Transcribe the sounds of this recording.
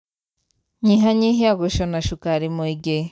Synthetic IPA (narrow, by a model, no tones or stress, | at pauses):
ɲiɦaɲiɦiaɡoʃonaʃukaɾimuiɡe